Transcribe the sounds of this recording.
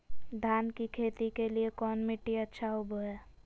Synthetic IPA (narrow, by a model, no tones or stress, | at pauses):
d̪ʱaːnkikʰeːt̪ikeliekɔːnmɪʈːiətːʃʰaʊbʱoɦɛː